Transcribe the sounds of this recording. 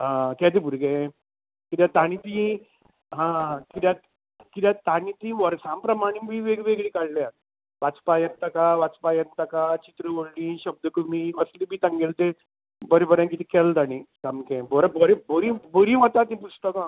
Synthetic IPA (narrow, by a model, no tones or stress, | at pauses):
ãkɛt̪̬ibʱuɾɡe | kit̪jat̪añit̪ĩ | ɦãkit̪ja | kit̪jat̪añit̪iʋəɾsãmpɾəmaɽ̃ibʱiʋeɡʋeɡɭikaɽleat̪̚ | ʋat͡spajənt̪əkaʋat͡spajənt̪akat͡ɕit̪ɾəʋoɽliɕəb̚d̪əkəmiəslibʱiːt̪əŋɡelt̪e | bəɾebəɾãŋkit̪ikɛlt̪añĩkamkẽbɔɾabəɾeboɾiboɾiʋət̪at̪ĩp̬usʈəkã